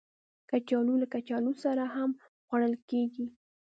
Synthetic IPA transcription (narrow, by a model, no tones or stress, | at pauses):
kat͡ʃɑlulakat͡ʃɑlusaɾaɦam | ɣwaɽ̃əlkeɡi